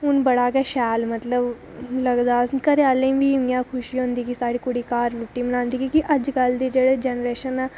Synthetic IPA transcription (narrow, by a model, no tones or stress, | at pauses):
ʊnbəɽaːkɛːʃɛːlmət̪ləb | ləɡd̪aːkəɾaːlẽʋiːijãːkʰʊʃiɦʊ̃nd̪iːkisaːɽiːkʊɽiːkaːɾɾʊʈːiːmənãːnd̪iːkikiʔəd͡ʒkəld̪eːd͡ʒeːɽeːd͡ʒɛːnɾeːʃəna